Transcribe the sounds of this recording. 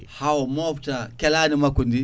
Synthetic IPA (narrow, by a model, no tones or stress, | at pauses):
hawmoftakɛlanimakundi